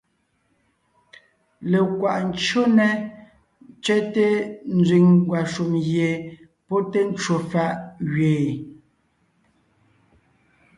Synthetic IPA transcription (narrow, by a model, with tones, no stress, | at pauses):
le˨kwa˨ʔn̩˦t͡ʃo˦nɛ˨˦ | t͡ʃɛ˦te˦n˦d͡zɥi˨ŋɡwa˨ʃu˨mɣje˨ | pɔ˦te˦n̩˦t͡ʃo˨fa˦˨ʔɣɥeː˨